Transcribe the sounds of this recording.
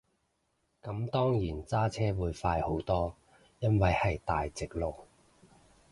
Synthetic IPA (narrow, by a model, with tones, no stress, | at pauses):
kɐ˨˥mt̪ɔː˥ŋjiː˨˩nt͡saː˥t͡sʰɛː˥wuː˨˧jfaː˧jho˨˥wt̪ɔː˥ | jɐ˥nwɐ˨jhɐ˨jt̪aː˨jt͡sɪ˨k̚lo˨˩k̚